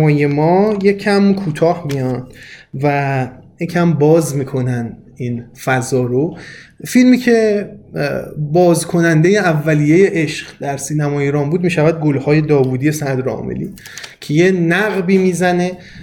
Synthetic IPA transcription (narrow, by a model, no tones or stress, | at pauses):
ɒːjemɒːje̞cʰæmkʰuːt̪ʰɒːhmijɒnd̪̥væjecʰæmbɒːzmiːkʰo̞næn | infæzɒːɾo | filmiːcʰe̞ | bɒːzkʰo̞nænd̪eje̞ævːæliːje̞je̞ʔeʃɢd̪æɾsiːnæmɒːjeɾɒːnbuːd̪̚miːʃævæd̪̚ɡo̞lhɒːje̞d̪ɒːvuːd̪ije̞sæd̪ɾɒ̰ːmḛlḭː | cʰe̞jenæɣbiːmiːzæne